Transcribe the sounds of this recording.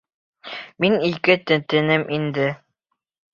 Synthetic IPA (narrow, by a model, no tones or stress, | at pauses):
minikɘt̪ɘ̆t̪ɘ̆nɘmʔind̪ɘ